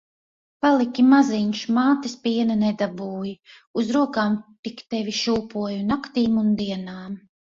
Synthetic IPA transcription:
palˠikʲimaziɲʃmaːt̪ispiɛnɐnɛd̪abuːji | uzɾuɔkaːmt̪ikt̪ɛvʲiʃuːpuɔjunakt̪iːmund̪iɛnaːm

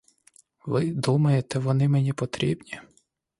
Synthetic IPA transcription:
ʋɪd̪umɐjet̪ɛʋɔnɪmenʲipɔt̪ɾʲḭbnʲi

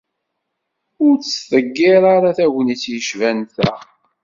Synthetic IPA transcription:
ʊɾt͡sːθəɡːɪɾaɾaθæʝnit͡sːjəʃvænθæ̰

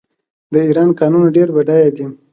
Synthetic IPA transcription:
d̪əiɾɑnkɑnunaɖeɾbaɖɑjad̪i

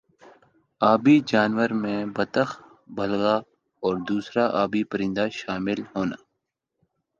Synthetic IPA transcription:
aːbid͡ʒaːnwəɾmẽbɐt̪əx | bɐlɣa | ɔːɾd̪uːsɾaʔaːbipəɾɪ̃nd̪aʃaːmɪlhoːnaː

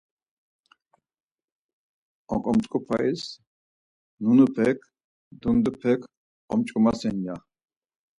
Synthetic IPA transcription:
ɔ̰̃kʼɔmt͡ʃʼkʼupʰais | nunupʰɛkʰ | d̪und̪upʰɛkʰ | ɔmt͡ʃʼkʼumasɛnja

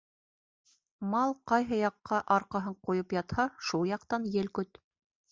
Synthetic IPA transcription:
mɑlˠqɑjɦɤjɑqːɑʔɑɾqɑɦɤɴqujɤpjɑt̪hɑʃulˠjɑqt̪ɑnjɘlkɵt̪

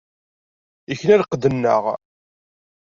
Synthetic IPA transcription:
içnæɾqd̪ənːə̰ʁ

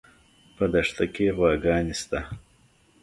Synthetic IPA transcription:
pəd̪ɐʂt̪akewɑːɡɑːnist̪a

